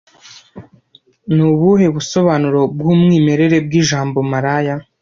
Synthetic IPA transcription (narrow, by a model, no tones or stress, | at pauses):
nuβuɦe̞βuso̞βaːnuɾo̞b̚ɡuːmŋiːme̞ɾe̞ɾe̞b̚ɡiːʒaːmbo̞maɾaːja